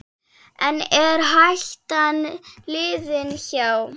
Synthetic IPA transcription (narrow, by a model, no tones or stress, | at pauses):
ɛnɛɾɦaɬt̪anlɪːðɪnçaw